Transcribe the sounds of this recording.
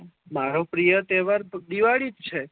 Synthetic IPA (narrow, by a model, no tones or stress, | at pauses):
maɾopɾijət̪eʋəɾd̪iʋaɭit̪t͡ʃʰe